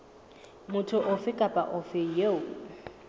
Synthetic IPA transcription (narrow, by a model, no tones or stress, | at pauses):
mʊtʰʊʔʊfɪkʼapʼa̰ʔʊfɪjeʊ